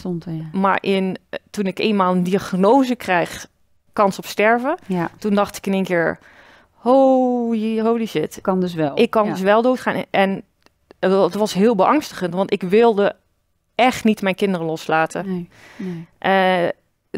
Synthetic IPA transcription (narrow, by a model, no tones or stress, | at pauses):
tɔntma̰ɹʔɪntunɪkeːnmaːlˠəndiaxnoːzəkrɛjx | kɑnsɔpstɛɹvətundɑxtɪ̥kəneːnkɪːɹ | hojɦowliʃɪtkndsɛlɪkːɑndəs̬ʋɛlˠdoːtχaːnɛn | tʋɑsɦɪːlˠbəʔɑŋstəχəntʋɑntɪkʋɪlˠdə | ɛxtnitmɛjnkɪndərəlɔslaːtʰə | ʔə